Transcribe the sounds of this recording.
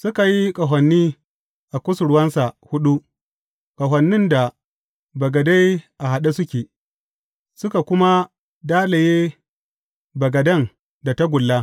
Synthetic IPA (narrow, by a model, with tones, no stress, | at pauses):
sʊ˦ka˨ji˦kʼɐ˨ɦʷɐ˨nːiː˦ | ʔa˨kʷʊ˦sʊ˨ɽʊ˦wɐ˦nsa˨hʊ˦ɗu˦ | kʼɐ˨ɦɐ˨nːɪ˦nda˨ | bɐ˨ɡɐ˨da˦jʔa˨ɦa˨ɗa˦sʊ˦kʲeː˨ | sʊ˦ka˨kʷʊ˦ma˦ | daː˦la˨jeː˦ | bɐ˨ɡɐ˨dɐ˦˨ŋ | da˨ta˦ɡʷʊ˨lːa˦